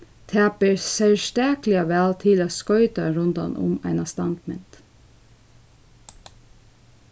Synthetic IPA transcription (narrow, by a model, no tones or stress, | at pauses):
t̪ʰæːpəɹsɛlʃt̪æːklɪɑʋæːlt̪ʰɪloːskœʏt̪ɑɾʉnd̪ɑ̰nʔʊ̰mæ̰ɪnɑst̪ɑnd̪mɪ̰nt̪